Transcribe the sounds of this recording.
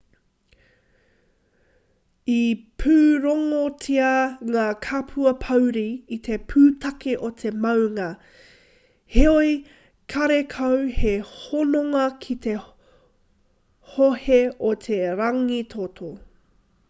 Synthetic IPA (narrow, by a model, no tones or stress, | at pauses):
ipʰʉːɾoŋot͡sʰiɐŋaːkʰapʰʉɐpʰɐwɾiːt̪ʰe̞pʰʉːt̪ʰɐkeʔot̪ʰe̞mɐwŋɐ | heoj | kʰɐɾekʰɐwhehonoŋɐkʰit̪e̞ | hoheot̪ʰeɾɐŋit̪ʰot̪ʰo